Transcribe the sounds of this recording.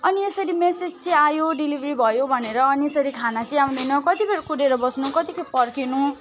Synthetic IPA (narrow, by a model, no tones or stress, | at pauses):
ʌniesʌɾimesed͡zt͡sʰʌ̃ajoɖilibʱribʱʌjobʱʌneɾʌːniesʌɾikʰanat͡sʌĩaw̪̃d̪ʌjnʌkʌt̪ibeɾkuɾeɾʌbʌsnukʌt̪ikʰʌpʌrkinu